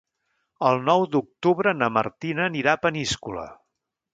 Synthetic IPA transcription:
əlˠnɔwd̪uk̚t̪uβɾənəmə̰rt̪inəːniɾapəniskulə̰

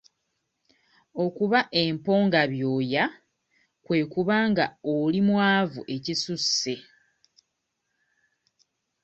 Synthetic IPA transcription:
okuβaʔe̞mpo̞ːŋɡaβjo̞ːja | kwe̞ːkuβaːŋɡaolimwaːvuʔe̞cisusːe̞

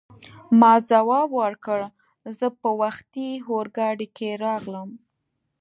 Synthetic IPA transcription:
mɑzawɑbwəɾkəɽ | zəpəwaxt̪iɦoɾɡɑɽikeɾɑɣləm

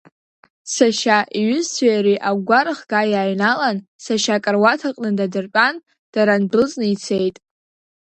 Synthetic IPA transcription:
saʃaʔiɥʏzsʰajaɾiʔaɡʷaɾχɡajaːɥnalansaʃakʼarwatʰaqʼnɨdadɨrpʼan | d̥aɾanbɨt͡sʼnɨit͡sʰejtʼ

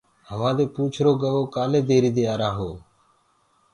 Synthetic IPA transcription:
ɦəʋãːd̪eːpũːt͡ʃʰɾoːɡəʋoːkaːlẽːd̪eːɾiːd̪eːaːɾãːɦoː

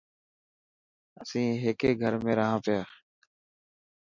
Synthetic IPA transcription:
əsĩːɦeːkeːɡʱəɾmẽːɾəɦãːpɪjaː

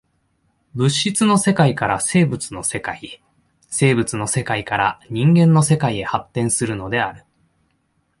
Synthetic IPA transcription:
bɯ̟ɕːit͡sɨno̞se̞kaikaɾase̞ːbɯ̟t͡sɨno̞se̞kai | se̞ːbɯ̟t͡sɨno̞se̞kaikaɾaɲ̟ĩŋɡẽ̞nːo̞se̞kaie̞hat̪ːẽ̞ɰ̃sɨɾɯ̟no̞d̪e̞aɾɯ̟

